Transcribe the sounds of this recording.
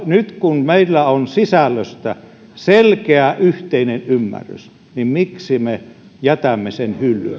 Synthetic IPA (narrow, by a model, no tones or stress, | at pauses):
nyt̪kunmeilːæonsisælːøst̪æ | selkeæʔyht̪einenymːæ̰rːy̰s | nimmiksime | jæt̪æmːesenhylːy̰n